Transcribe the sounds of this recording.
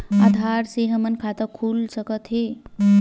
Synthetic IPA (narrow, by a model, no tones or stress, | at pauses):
a̰d̪ʱaɾseɦəmənkʰat̪əkʰulsəkət̪ɦe